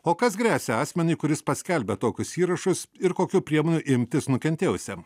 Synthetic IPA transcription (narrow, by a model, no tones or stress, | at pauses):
oːkɐsɡɾʲæːsʲɛɑːsʲmʲɛnʲʊɪkʊɾʲɪspɐsʲkʲɛlʲbʲɛt̪oːkʲʊsiːɾɐʃʊsɪɾkoːkʲuːpʲɾʲiɛmoːnʲuʔɪmʲt̪ʲɪsnʊkʲɛnʲt̪ʲeːjʊsʲɛ